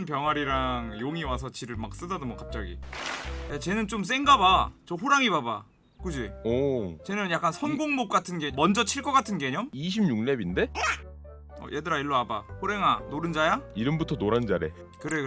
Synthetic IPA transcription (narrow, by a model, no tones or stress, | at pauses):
npjʌŋɦaɾiɾaŋjoŋiwasʰʌt͡ɕiɾɯɭmak̚s͈ɯdadomwʌkap̚t͡ɕ͈aɡḭ | at͡ɕe̞nɯnt͡ɕ͈oms͈e̞ŋɡabat͡ɕoɸoɾaŋibaba̰ | k͈ud͡ʑiot͡ɕe̞nɯnjak͈ansʰʌnɡoŋmok̚k͈atʰɯnɡe̞mʌnd͡ʑʌt͡ɕʰiɭk͈ʌk͈atʰɯnɡe̞ɲomiɕ̬ʰimɲuŋnebinde̞ | ʌ̰jʔedɯɾaiɭːoabaɸoɾe̞ŋanoɾɯnd͡ʑajaiɾɯmbutʰʌnoɾand͡ʑaɾe̞ | kɯɾe